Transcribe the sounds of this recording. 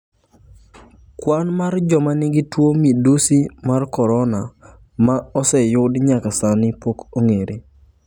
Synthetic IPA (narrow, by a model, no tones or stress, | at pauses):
kwanmard͡ʒɔmanɪɡɪtwomidusimarkɔɾɔna | maɔsɛjʊdɲakasanɪpokoŋeɾʔe